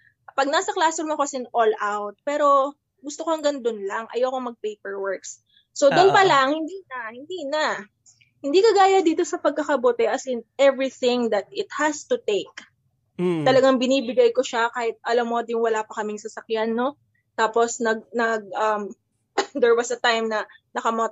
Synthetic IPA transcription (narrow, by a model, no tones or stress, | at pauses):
pɐɡ̚naːsɐklasɛɾmokɐsɪnʔolʔawt̪̚pɛːɾo̞ | ɡʊst̪okoɐŋɡɐnd̪onlaŋʔɐ̰jowkomɐɡ̚pejpɛɹwɛɹksː | od̪ʊnpɐlaŋhɪnd̪inɐhɪnd̪iːnɐ | hɪnd̪ikɐɡaːjɐd̪iːt̪o̞sɐpɐɡ̚kɐkɐbot̪ɛʔɐsɪnʔɛvɹiθɪ̃ŋd̪ɐt̪̚ɪt̪̚hɐst̪ʊt̪ejk̚ | t̪ɐlɐɡaŋbɪniːbɪɡɐjkoʃakaːhɪt̪̚ʔɐlamːod̪jʊŋwɐlaːpɐkɐmɪŋsɐsɐkjanːo̞ | t̪aːpo̞snɐɡ̚nɐɡ̚ʔɐm | d̪ɛɹwɐsɐt̪ajmnɐ | nɐkɐmot̪